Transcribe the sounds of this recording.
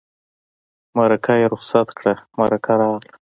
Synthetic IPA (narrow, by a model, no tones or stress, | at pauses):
maɾakʰajeɾʊχsat̪kɽamaɾakʰaɾɑɣla